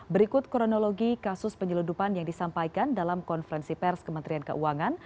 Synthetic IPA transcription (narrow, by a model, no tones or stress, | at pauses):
bəɾikʊt̪̚kɾonoloɡikasʊspəɲəludupanjaŋdisampajkandalamkɔnfəɾɛnsipɛrskəmənt̪ɾiankə̰ʔuaŋan